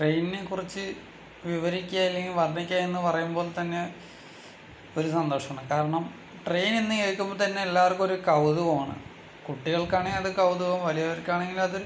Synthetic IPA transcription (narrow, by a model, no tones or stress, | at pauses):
ʈrejninekːurit͡ɕːɨ | ʋiʋɐɾikʲːjaːjilːeŋɡilʋɐrɐɳikʲːjaːenːɨpɐrɐjumbo̞ːlt̪ɐnːe̞ | o̞ɾusɐnd̪oːʂɐmaːɳɨkaːɾɐɳɐm | ʈrejnenːɨke̞ːɭkːumboːt̪ɐnːe̞elːaːʋɐrkumoɾukɐwðuʋɐmaːɳɨ̰ | kuʈːiɣɐɭkaːɳijɐðɨkɐwðuʋɐmʋɐlijɐʋɐɾkːaːɳeŋɡilɐðoɾu